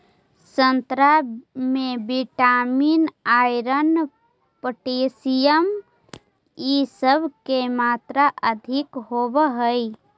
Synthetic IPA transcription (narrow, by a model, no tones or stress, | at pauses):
sə̃nt̪ɾamẽbiʈaːmiːnaːjɾən | pəʈeːsijəm | isəbʱkemaːt̪ɾəʔəd̪ʱɪkɦoːbəɦəi